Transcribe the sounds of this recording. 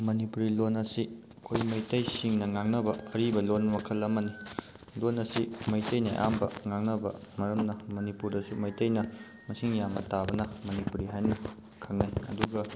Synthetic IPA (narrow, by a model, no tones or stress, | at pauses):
mɐnipuɾilonɐsi | kʰojmɐjtɐjsiŋnɐŋaŋnɐbɐɐɾibɐlonmɐkʰɐlːɐmɐni | lonɐsimɐjtɐjnɐ̰ʔa̰mbɐ̰ŋaŋnɐbɐ̰mɐɾɐmnɐmɐnipuɾdɐsumɐjtɐjnɐ | mɐsiŋjamɐ̰tabɐnɐmɐnipuɾiɦajnɐ | kʰɐŋnajɐ̰duɡɐ